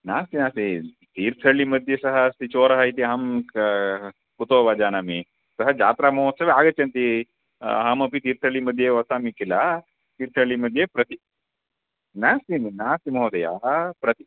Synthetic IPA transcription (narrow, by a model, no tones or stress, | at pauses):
naːst̪inaːsi | t̪iːɾt̪ʰɐɭimɐd̪ʱjesɐɦɐst̪it͡ʃoːɾɐɦɐit̪̬iɦɐm | put̪oːʋaːd͡ʒaːnaːmi | sɐɦɐd͡ʒa̰ːt̪ɾaːmoosɐʋeaːɡɐt͡ʃːɐnt̪i | ɦɐmɐpit̪iːɾt̪ʰɐɭimɐd̪ʱjeʋɐsaːmikila | t̪iːɾt̪ʰɐɭimɐd̪ʱjepɾɐt̪i | naːsimnaːsimɐɦod̪ɐja̰pɾɐt̪i